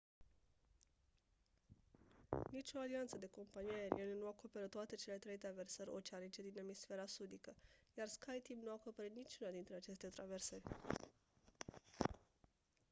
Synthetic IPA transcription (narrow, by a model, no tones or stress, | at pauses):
nit͡ʃʲo̞aliant̪səd̪e̞ko̞mpanijae̞ɾḭenenuako̞pe̞ɾət̪ːoat̪e̞t͡ʃe̞le̞t̪ɾe̞jt̪ɾave̞rsəɾʲo̰t͡ʃeanit͡ʃe̞d̪ine̞misfe̞ɾasud̪ikəjarskajt̪imnuakopeɾit̪nit͡ʃunad̪int̪ɾeat͡ʃe̞st̪e̞t̪ɾave̞rsərʲ